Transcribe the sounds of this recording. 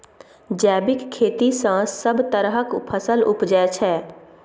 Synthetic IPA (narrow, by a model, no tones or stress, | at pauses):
d͡ʒɛːbɪkʰːeːt̪isãsəbt̪əɾɦəkpʰəsəlʊpd͡ʒɛt͡ʃʰɛː